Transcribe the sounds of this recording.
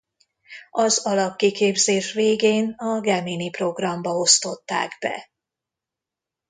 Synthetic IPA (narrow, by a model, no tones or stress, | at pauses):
ɒzɒlɒp̚kikeːbzeːʃveːɡeːnɒɡɛminipro̞ɡrɒmbɒo̞st̪o̞t̪ːa̰ːɡbɛ̰